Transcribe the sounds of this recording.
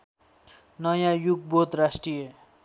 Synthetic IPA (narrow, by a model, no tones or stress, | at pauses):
nʌjãjuɡbot̪rasʈrije